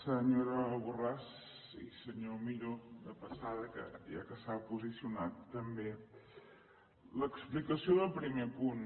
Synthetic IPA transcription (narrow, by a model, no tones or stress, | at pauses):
səɲoɾəβuraz | isəɲomiʎod̪əpəsaðəkə̰ja̰kəsapuzisiunat̪ːəmbe | ləksplikəsioðəlˠpɾimepun